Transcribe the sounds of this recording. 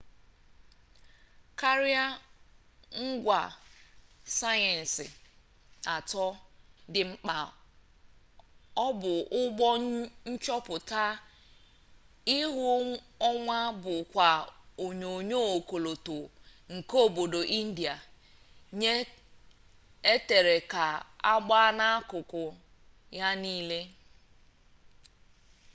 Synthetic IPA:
ka˦ɾi˦a˦ | ŋ̩˦ɡʷa˨ | sa˦jɛ˨n̩˨sɪ˨ | a˨tɔ˦dɪ˨ŋ͡m̩˨k͡pa˨ | ɔ˦bʊ˨ʊ˦ɡ͡bɔ˦ɲ̩˦t͡ʃɔ˦pʊ˨ta˦ | ɪ˦ɦʊ˦ | ɔ˦ŋʷa˦bʊ˨kʷa˨o˨ɲo˨ɲo˦o˨ko˨lo˨tʊ˨ŋ̩˨ko˦˨bo˨do˨ʔi˦n̩˦di˨a˨ | ɲe˦ | e˦te˨ɾe˨ka˨a˦ɡ͡ba˦a˦na˦a˦kʊ˨kʊ˨ | ja˦niː˦le˦

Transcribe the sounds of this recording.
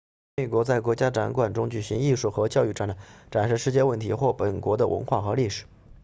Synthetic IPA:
me˨˩ɪkwɔ˧˥t͡sa˥˩ɪkwɔ˧˥t͡ɕja˥ʈ͡ʂa˧˥nkwa˨˩nʈ͡ʂʊ˥ŋt͡ɕy˨˩ɕi˧˥ŋi˥˧ʂu˥˩xɤ˧˥t͡ɕjɑ˥˧ʊy˥˩ʈ͡ʂa˥˩n˧˩ʈ͡ʂa˨˩nʂɻ̩˥˧ʂɻ̩˥˧t͡ɕjɛ˥˧wə˥˩nt̪ʰi˧˥xwɔ˥˩pə˨˩nkwɔ˧˥d̪ə˧wʔə̰˧˥nxwa˥˩xɤ˧˥li˥˩ʂɻ̩˨˩˦

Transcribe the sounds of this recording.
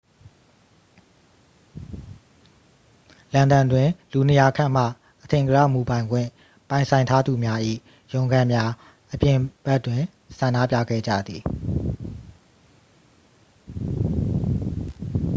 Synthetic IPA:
lã˨ndã˨ndwɪ̃˨lu˨nə˨ja˨kʰã̰˦˨m̥ä̰˦˨ | ʔətʰɪ̃˨ŋɡəɾa̰˦˨mu˨bã˨ɪ̃ŋɡwɪ̰̃˦˨ | pã˨ɪ̃sʰã˨ɪ̃tʰa˦d̪u˨mja˦ʔḭ˦˨ | jõ˨ʊ̃ŋɡã˦˨mja˦ | ʔəpjɪ̃˦˨b̥ɛ˦twɪ̃˨ | sʰã˨ndä̰˦˨pja̰˦˨ɡɛ̰˦˨d͡ʑä̰˦˨d̪ði˨

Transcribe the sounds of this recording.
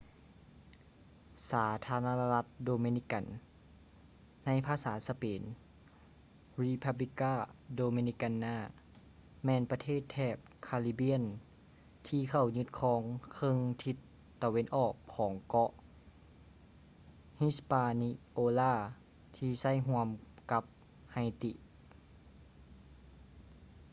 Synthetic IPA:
saː˩˦t̪ʰaː˧na˧na˧la˧˥t̪̚doː˧mi˧ni˧˥ka˨n | a˧˥jpʰaː˧saː˩˦sa˧peː˨˦n | ɾi˧˥pʰa˧bli˧kaː˥˩doː˧mi˧ni˧˥ka˧nːaː˧˥˩ | mɛː˧npa˧t̪ʰeː˥˩t̪ʰːɛː˧˩p̚kʰaː˧li˧bi˧˥ən | t̪ʰiː˧kʰa˧˩wɲɯ˧˦t̪̚kʰɔː˧˦ŋkʰɤ˧˨ŋt̪ʰi˧t̪ː | a˧we˧˨nʔɔː˨˩kʰːɔː˩˦ŋkɔ˧˥ʔ | hi˧˥spaː˧ni˧ʔoː˧laː˧˩ | t̪ʰiː˧sa˧˥˩jɦu˧əmka˧˦p̚ | ha˧˩jt̪i˧ʔ

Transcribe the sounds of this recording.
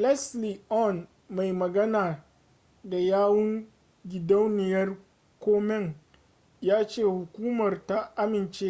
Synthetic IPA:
lɛ˦sli˨ʔɔ˦˨n | ma˨jmɐ˨ɡɐ˦naː˨ | da˨jaː˦wʊ˦ŋ | ɡʲɪ˨dɐ˦wnɪ˨jɐ˦r | kʷoː˦mɛ˦ŋ | jaː˦t͡ʃeː˦˨hʊ˨kʷuː˦mɐ˨rta˦ʔa˦mɪ˨nt͡ʃeː˦

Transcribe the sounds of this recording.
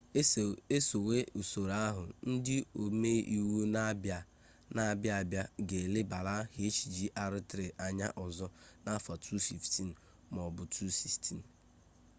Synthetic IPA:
e˦so˨we˦u˨so˨ɾa˦a˦ɦʊ˨n̩˦dɪ˦o˨me˦i˨wu˦n˦b | na˦bja˦˨bja˦ɡe˨le˦ba˨la˦ɦe˦t͡ʃi̥˨d͡ʒi˦ʔa˨ɾʊ˦tɾe˨ʔa˨ɲa̰˦ʔɔ˨zɔ˦na˦fa˨tʰu˦fi˨fti˦n̩˨ | mɔ˨bʊ˨tʰu˦si˨stʰi˦˨n̩˨

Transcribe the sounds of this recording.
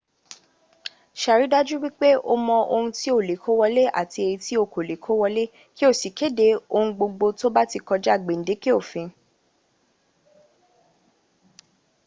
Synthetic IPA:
ʃa˨ɾi˨˦da˦d͡ʒu˦wi˦k͡pe˦ʔo˦mɔ̃˧o˧hũ˧ti˦o˦˨le˨kʰo˦wɔ˧le˦ʔa̰˦˨ti˧e˧ɾi˧ti˦o˦˧˨ko˨le˨kʰo˨˦wɔ˧le˦ | ki˦o˦˨si˨ke˨˦de˨˦o˧ũ˧ɡ͡bo˧ɡ͡bo˧to˦ba˦ti˧kɔ˧d͡ʒa˦˨ɡ͡be˨n̩˨de˨˦ki˦o˦˨fĩ˨˧

